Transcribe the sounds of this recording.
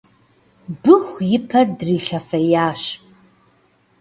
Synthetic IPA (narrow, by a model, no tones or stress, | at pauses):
bɨxʷjɪpʰɐrdriːɬɐfɐjaːʃʼ